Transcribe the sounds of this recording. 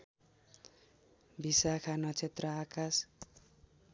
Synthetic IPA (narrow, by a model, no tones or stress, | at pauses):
bisakʰanʌt͡sʰet̪rʌakas